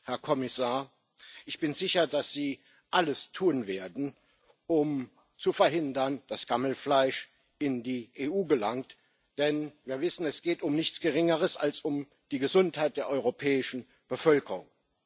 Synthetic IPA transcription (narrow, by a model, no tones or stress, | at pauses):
hɛɐkʰɔmɪsaːɐ | ʔɪçb̥ɪnzɪçɐdasz̥iː | ʔaləstʰuːnveːɐdn̩ | ʊm | t͡sufɛɐɦɪndɐnd̥asɡ̥aml̩flaɪʃ | ʔɪndiːʔeːʔuːɡəlaŋt | d̥ɛnviːɐvɪsn̩ɛsɡ̥eːtʊmnɪçt͡sɡ̥əʁɪŋəʁəsa̰lsʊm | d̥iːɡəzʊnthaɪt̚d̥eːɐʔɔʏʁopʰɛːɪʃn̩ | b̥əfœlkəʁʊ̰ŋ